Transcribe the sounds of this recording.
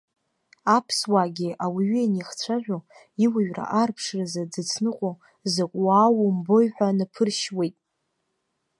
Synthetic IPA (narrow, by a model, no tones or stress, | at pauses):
apʰswaɡʲiʔawiɥieniχt͡sʷʰaʒʷᶣo | iwaɥra̰ʔarpʰʂrazad͡zɨt͡sʰnɨqʷʼo | zakʷʼwaːwʊmbo̞jħʷᶣanapʰɨrʃwe̞jtʼ